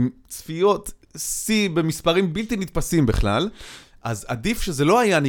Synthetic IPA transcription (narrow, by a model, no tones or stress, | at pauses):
m | t͡sfijo̞t̪sibe̞mispaʁimbilt̪init̪̚pasimbḛχla̰l | ʔa̰za̰d̪ifʃezelo̞ajani